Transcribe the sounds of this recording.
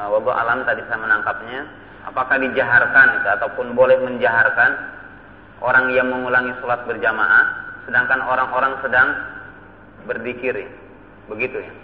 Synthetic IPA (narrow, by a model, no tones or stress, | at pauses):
wabaʔa̰lamt̪adisajamənaŋkap̚ɲa | a̰pakahdid͡ʒaɦarkanit̪uat̪awpʊnbolɛhməɲd͡ʒaɦarkan | ʔoɾaŋjaŋməŋulaŋisolat̪̚bərd͡ʒamaʔahsədaŋkanoɾaŋʔoɾaŋsədaŋ | bərdikiɾɪ | bəɡit̪uja